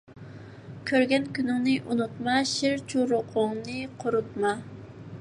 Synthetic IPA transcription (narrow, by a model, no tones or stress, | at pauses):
kʲʰøɾɡʲɛnkʲynɪŋnɨʔunut̪mɑʃɪɾt͡ʃʰuɾʊqʰʊŋnɨqʰʊɾut̪̚mɑ